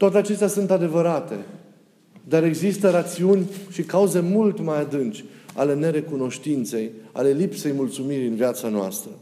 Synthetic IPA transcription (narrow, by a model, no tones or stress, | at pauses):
t̪oat̪̬eat͡ʃe̞st̪ʲasunt̪ad̪e̞vəɾat̪e̞ | d̪aɾe̞ɡzist̪əɾat̪siunʲʃikauze̞mult̪majad̪ɨnt͡ʃʲa̰le̞ne̞ɾe̞kuno̞ʃt̪int̪se̞ja̰le̞lipse̞jmult̪sumiɾʲɨnviat̪sanoa̰st̪ɾə